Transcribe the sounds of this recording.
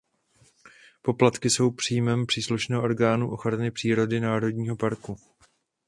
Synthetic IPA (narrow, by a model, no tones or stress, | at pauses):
po̞plat̪kɪso̞wpr̝̥iːmɛmpr̥iːsluʃnɛːɦoʔo̞ɾɡaːnuʔo̞xɾanɪpr̥iːɾo̞dɪnaːɾo̞dɲiːɦo̞paɾku